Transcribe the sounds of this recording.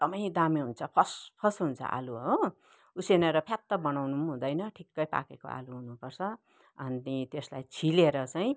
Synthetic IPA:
t̪ʌmaj̃d̪ameɦunt͡sʰʌpʰʌspʰʌsɦunt͡sʰʌ̰ʔa̰luɦo | usenʌɾʌpʰjat̪ːʌbʌnawnumɦũd̪ʌjnʌʈʰikːʌjpa̰keko̰ʔa̰luɦunupʌrt͡sʰʌ | ʌninit̪eslajt͡sʰileɾʌt͡saĩ

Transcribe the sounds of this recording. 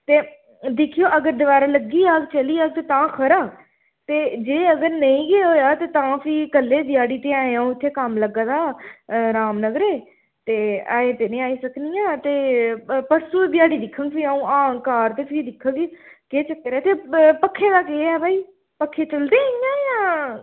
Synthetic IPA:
t̪eː | d̪ɪkʰijoːʔəɡəɾd̪əʋaːɾaːləɡːiːaːɡt͡ʃəliːaːɡt̪eːt̪ãːkʰəɾaː | t̪eːd͡ʒeːəɡəɾnəĩːɡeːɦoːjaːt̪eːt̪ãːpʰikəlːeːd̪ɪjaːɽiːt̪eːãːeãːõːɪt̪ʰːeːkəmləɡːãːd̪aːɾaːmnəɡɾeː | t̪eːaːeːt̪eːnĩaːiːsəknijãːt̪eːpəɾsuːd̪ɪjaːɽiːd̪ɪkʰə̃ŋɡpʰiaːũːaːkaːɾt̪eːpʰid̪ɪkʰːə̃ɡekeːt͡ʃəkːəɾeːt̪eːpəkʰːeːd̪aːkeːɛːbʱaːiː | pəkʰːeːt͡ʃəld̪eːjãːjãː

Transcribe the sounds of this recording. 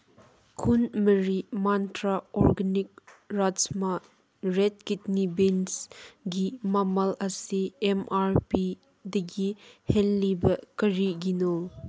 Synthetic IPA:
kʰunmɐɾimantɾaɔɾɡɐnik̚ɹad͡ʒma | ɾɛt̚kitnibinsɡimamɐlɐsiɛmaɾpi | dɐɡihɛlːibɐkɐɾiɡinɔ

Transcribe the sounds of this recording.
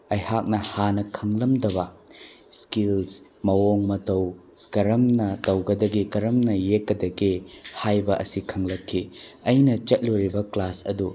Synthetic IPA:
ɐjhak̚nɐhanɐkʰɐŋlɐmdɐbɐ | skils | mɐwoŋmɐtɐw | skɐɾɐmnɐtɐwɡɐdɐɡikɐɾɐmnɐjekːɐdɐɡihajbɐʔɐsikʰɐŋlɐkʰːi | ɐjnɐt͡ʃɐt̚loɾibɐklasɐ̰du

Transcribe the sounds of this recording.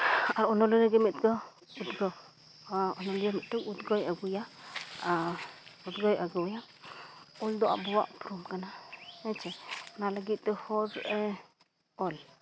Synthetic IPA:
aɾonoliɾaɡemit̪ɡa | ud̪ɡo | onolamit̪aud̪ɡojaɡujaaud̪ɡojaɡoja | old̪oʔa̰bowa̰pɾumkanaet͡ʃenalaɡit̪ehoze | ol

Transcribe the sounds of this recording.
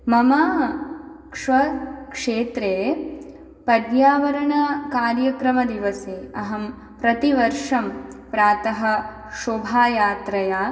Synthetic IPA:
mɐmaː | kʂʋɐkʂeːt̪ɾeː | pɐd̪jaːʋɐɾɐɳɐkaːɾjɐkɾɐmɐd̪iʋɐseːɐɦɐm | pɾɐt̪iʋɐɾʂɐmpɾaːt̪ɐɦɐ̆ | ʃubʱaːjaːt̪ɾɐjaː

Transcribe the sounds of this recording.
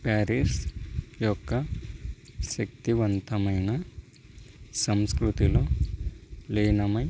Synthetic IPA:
paːɾiʂjɔkːɐ | ʃɐk̚t̪iʋɐnt̪ɐmɐjnɐ | sɐmskɾut̪iloː | leːnɐmɐj

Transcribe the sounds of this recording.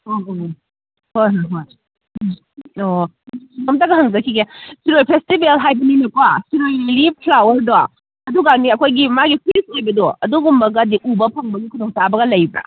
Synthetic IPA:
o | hojɦojɦoj | o | siŋɐmtɐɡɐɦɐŋzɐkʰiɡesiɾojpʰestibelɦajbɐninɐkwasiɾojlipʰlawɐɾda | ɐduɡaniɐkʰojɡimaɡipʰiɾishajbɐdɔɐduɡumbɐɡɐdiʔubɐpʰɐŋbɐɡikʰudoŋtabɐɡɐlɐjbɐ̰

